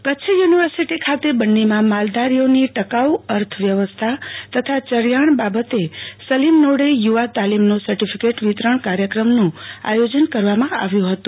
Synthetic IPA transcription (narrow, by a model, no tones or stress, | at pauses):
kət͡ʃʰəjuniʋəɾsiʈikʰat̪ebənːimãmald̪aɾijoniʈəkauəɾt̪ʰəʋjəʋəst̪ʰat̪ət̪ʰat͡ʃəɾjaɳ̃babət̪esəlimnoɽejuʋat̪alimnosəɾʈipʰikeʈʋit̪ɾəɳkaɾjəkɾəmnũa̰jod͡ʒənkəɾʋamãa̰ʋjũɦət̪ũ